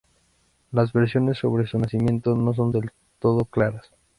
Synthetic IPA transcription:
lazβe̞ɾs̬jo̞ne̞sːo̞βɾesunasimjẽ̞nt̪o̞no̞s̬o̞nd̪e̞l | t̪o̞ð̞o̞klaɾas

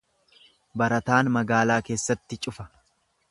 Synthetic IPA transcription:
bɐɾɐt̪aːnmɐɡaːlaːke̞ːsːɐt̪ːɪt͡ʃʼʊfɐ̥

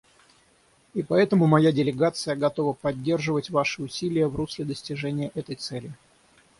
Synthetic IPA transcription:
ipɐɛt̪əmʊmɐjadʲɪlʲɪɡat̪sɨjəɡɐt̪o̞vəpɐdʲːe̞rʐɨvətʲvaʂɨʊsʲilʲɪjəvruslʲɪd̪əsʲtʲɪʐɛnʲɪjəʔɛt̪əjt̪sɛlʲɪ

